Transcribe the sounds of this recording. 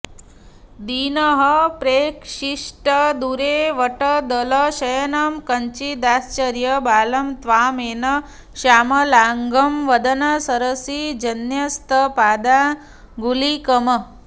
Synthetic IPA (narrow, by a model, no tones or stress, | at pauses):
d̪iːnɐɦəpɾeːkʂiʂʈɐd̪uɾeːʋɐʈɐd̪ɐlɐʃɐjɐnɐmkɐɲt͡ʃid̪aːst͡ʃɐɾjɐbaːlɐmt̪ʋaːmeːnɐ | ʃaːmɐlaːŋɡɐmʋɐd̪ɐnɐsɐɾɐsid͡ʒɐnjɐst̪ʰɐpaːd̪a | ɡulikɐmɐ